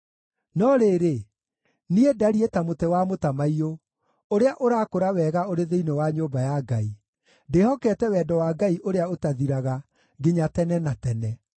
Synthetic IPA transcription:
nɔɾeːɾe | niedaɾietamotɛwamotamaio | oɾeaʔoɾaːkoɾawɛːɣaoɾeðeinewaɲoːbajaɡai | dehɔkɛːtɛwɛːdɔwaːɡaiʔoɾeaotaðiɾaɣa | ɡeɲatɛnɛnatɛnɛ

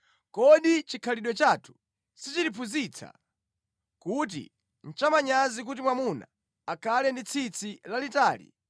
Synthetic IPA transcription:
kɔɗit͡ʃikʰaliɗwɔt͡ʃatʰu̥ | sit͡ʃilipʰuzit͡sʰa̰ | kut̬ḭ | n̩t͡ʃamaɲazik̬ut̬imwamuna̰ː | kʰalɛndit͡sʰit͡sʰilalitaːlḭ

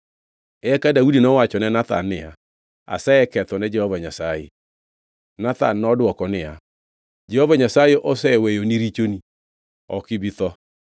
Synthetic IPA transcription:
ɛkadaudinɔwat͡ʃɔnɛnata̰nːea̰ | a̰sɛɛkɛtɔnɛd͡ʒɛhɔvaɲasaḛ | nata̰nnɔdwɔkɔnea | d͡ʒɛhɔvaɲasaeʔɔsɛwɛjoniɾit͡ʃoni | ɔ̰kibiθɔ

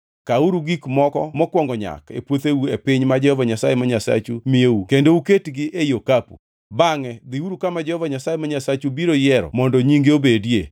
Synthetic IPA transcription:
kauɾuɡikmɔkɔmɔkwɔŋɡɔɲa̰kḛpwot̪ewuepɪɲmad͡ʒɛhɔvaɲasajemaɲasa̰t͡ʃumɪjeukendouketɡɪʔejokapṵ | baŋɛd̪ɪuɾukamad͡ʒɛhɔvaɲasajemaɲasat͡ʃubiɾojɛɾɔ̰mɔndɔɲiŋɡeobedje

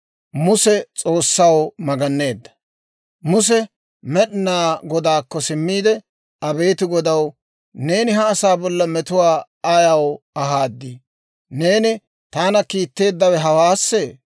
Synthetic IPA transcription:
mʊsɛt͡sʼo̞ːsːɐwmɐɡɐnːe̞ːd̪ːɐ̥ | mʊs̬ɛ | mɛɗɪnaːɡɔd̪aːkːɔsɪmːiːd̪ɛ | ɐbe̞ːt̪ɪɡɔd̪ɐw | ne̞ːnɪɦɐːsaːbɔlːɐmɛt̪ʊwaː | ɐjɐw | ɐɦaːd̪ːi | ne̞ːnɪ | t̪aːnɐkiːt̪ːe̞ːd̪ːɐwɛɦɐwaːsːeː

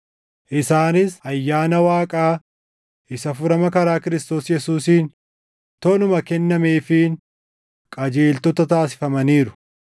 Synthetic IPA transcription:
ʔɪsaːnɪsɐjːaːnɐwaːkʼaː | ʔɪsɐfʊɾɐmɐkɐɾaːkɪɾɪst̪o̞ːsjɛsuːsiːn | t̪ɔnʊmɐkɛnːɐmeːfɪn | kʼɐd͡ʒeːlt̪ɔt̪ɐt̪aːsɪ̥fɐmɐniːɾʊ̥

